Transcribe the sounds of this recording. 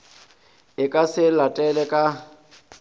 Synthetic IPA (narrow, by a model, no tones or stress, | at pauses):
ɪkʼasɪlatʼɛlɛkʼa